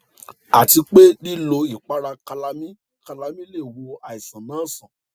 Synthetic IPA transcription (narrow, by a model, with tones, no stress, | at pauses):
a˨ti˧k͡pe˦di˦lo˧i˦˨k͡pa˨˦ɾa˧ka˧la˧˦mĩ˦ | ka˧la˧mĩ˦le˦˨wo˧a˨i˨sã˨nãː˨˦˨sã˨